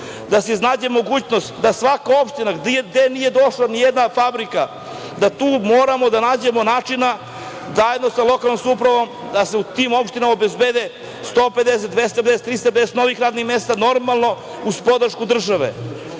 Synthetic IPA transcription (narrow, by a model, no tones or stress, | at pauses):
d̪aseiznaːd͡ʑemo̞ɡuːt͡ɕno̞st̪d̪asʋakao̞pʃt̪inaɡd̪d̪enije̞d̪o̞ʃlanijed̪nafabɾika | d̪at̪uːmoːɾamo̞d̪anaːd͡ʑe̞mo̞naːt͡ʂina | zajed̪no̞salˠo̞kalnimsupɾaʋo̞m | d̪aseut̪imo̞pʃt̪inamobezbeːd̪e | st̪oːpe̞d̪eset̪d̪vest̪aped̪eset̪ːɾiːst̪ap̬ed̪eset̪no̞ʋixɾaːd̪nixmest̪ano̞ɾmalˠno̞ | uspo̞d̪rʃkud̪r̩ʒaʋḛ